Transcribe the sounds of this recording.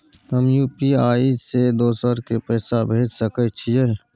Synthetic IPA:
t̪əmjuːpiaːised̪oːsəɾkepɛːsabʱeːd͡ʒsəkət͡ʃʰijɛ

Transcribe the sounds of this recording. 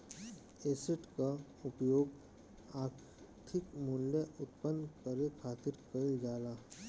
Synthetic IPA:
eːsəʈka | ʊpjoːɡ | aːk | t̪ʰɪkmʊljəʊt̪pənd̪kəɾekʰaːt̪ɪɾkəɪld͡ʒaːlaː

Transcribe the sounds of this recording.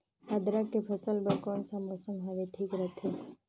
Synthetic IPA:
ad̪ɾakepʰəsəlbəkɔːnsamosə̃ŋɡɦaʋeʈʰiːkɾət̪ʰeː

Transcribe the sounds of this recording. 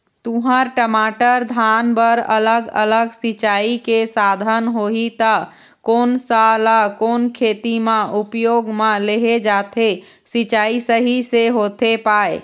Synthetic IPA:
t̪ũɦəɾʈəmaʈəɾd̪ʱanbəɾə̰ləɡə̰ləɡsit͡ʃaikesad̪ʱənɦoɦit̪ə | konsalakonkʰet̪imẽʔupjoɡmeleɦed͡ʒat̪ʰe | sit͡ʃaisəɦiseɦot̪epae

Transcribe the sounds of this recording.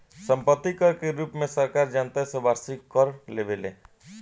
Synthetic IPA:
sə̃mpət̪ːikəɾkeɾuːpmẽsəɾkaːɾd͡ʒaːnt̪asẽʋaːɾsɪkkəɾleʋelḛ

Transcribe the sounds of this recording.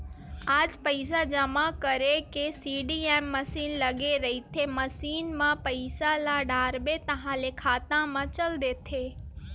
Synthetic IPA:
ad͡ʒpəjs̬ad͡ʒəmãkəɾekesiɖiemːəsinləɡeɾəɦit̪ʰeməsinmãpəjsalaɖaɾbet̪əɦãlekʰat̪ãmãt͡ʃəld̪et̪ʰe

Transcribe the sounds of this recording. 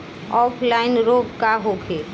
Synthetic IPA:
ɔːpʰlaɪnɾoːɡkaɦoːkʰeː

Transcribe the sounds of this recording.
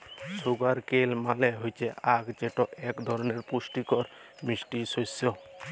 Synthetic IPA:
suɡaɾkelmalɛɦojt͡ʃʰɛakd͡ʒeʈɔɛkd̪ʱɔɾɔnɛɾpusʈikɔɾmisʈisojsɔ

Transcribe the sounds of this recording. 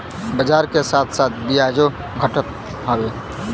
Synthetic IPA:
bəd͡ʒaɾkesaːt̪ʰsaːt̪̚ʰd̪ijad͡ʒo | ɡʱəʈət̪̚ | ɦəbe

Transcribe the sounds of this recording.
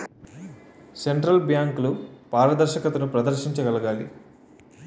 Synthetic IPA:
se̞ɳʈɾɐlbjaːŋklupaːɾɐd̪ɐɾʃɐkɐt̪ɐnupɾɐd̪ɐɾʃiɲt͡ʃɐɡɐlɐɡaːli

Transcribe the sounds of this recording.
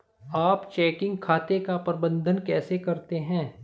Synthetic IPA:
aːpt͡ʃɛːkɪ̃ŋɡkʰaːt̪ekapɾbə̃nd̪ʱənkɛːsekɐɾt̪eɦɛ̃ː

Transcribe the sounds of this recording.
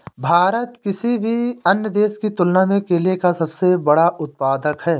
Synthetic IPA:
bʱaːɾət̪kɪsibʱiɐnjəd̪eːʃkit̪ʊlnamẽkeliekasɐbsebɐɽaʔʊt̪̚paːd̪əkɦɛː

